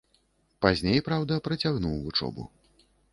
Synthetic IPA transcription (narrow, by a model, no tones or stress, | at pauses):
pazʲnʲejpɾawd̪ɐpɾɐt͡sʲaɣnuwvut͡ʂɔ̰bṵ